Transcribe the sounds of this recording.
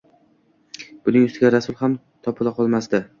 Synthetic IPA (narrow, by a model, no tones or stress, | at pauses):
b̥ʊnɪŋʊst̪ɪɡʲaɾasʊlˠham | t̪ʰɒpʰɪlˠaqʰɒlˠmasd̪ɪ